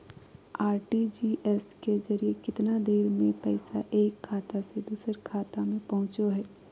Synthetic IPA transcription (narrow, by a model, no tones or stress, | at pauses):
aːɾʈid͡ʒiːʔɛskezɐɾiekɪt̪nad̪eːɾmẽpɛɪsaʔeːkʰːaːt̪ased̪uːsəɾkʰaːt̪amẽpɐɦʊ̃t͡ʃoɦɛː